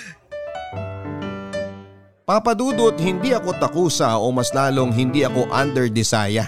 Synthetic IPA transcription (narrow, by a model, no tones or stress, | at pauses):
papɐd̪uːd̪ʊʔot̪̚hɪnd̪iɐko̞t̪ɐkuːsɐʔomɐslaːlo̞ŋɦɪnd̪iʔɐko̞ʔand̪ɛɹd̪ɪsaːjɐ